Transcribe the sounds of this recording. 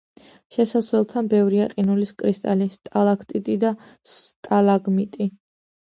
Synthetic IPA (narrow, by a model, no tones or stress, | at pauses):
ʃɛsasvɛlˠt̪ʰanbɛvɾiaqʼinuliskʼɾist̪ʼalist̪ʼalˠakʰt̪ʼit̪ʼid̪ast̪ʼalaɡmit̪ʼi